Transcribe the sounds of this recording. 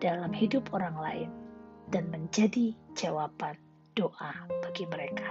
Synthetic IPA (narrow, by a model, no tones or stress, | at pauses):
dalamhidʊpoɾaŋla̰ɪnd̥anməɲd͡ʒadid͡ʒawapan | d̥oʔab̥aɡiməɾeka